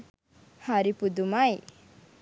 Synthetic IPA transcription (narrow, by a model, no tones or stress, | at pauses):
haɾipud̪umaj